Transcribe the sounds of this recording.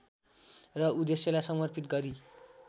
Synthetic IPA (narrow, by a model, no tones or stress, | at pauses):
rʌud̪esjʌlajsʌmʌrpʰit̪ɡʌɾi